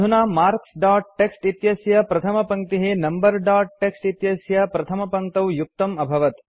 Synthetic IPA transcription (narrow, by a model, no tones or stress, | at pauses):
unaːmaːɾksɖaːʈ̚ʈːeksʈit̪jɐsjɐpɾɐt̪ʰɐmɐpɐŋ̚t̪iɦenɐmbɐɾɖaːʈ̚ʈeksʈit̪jɐsjɐpɾɐt̪ʰɐmɐpɐŋt̪ɐwjuk̚t̪ɐmɐbʱɐʋɐt̪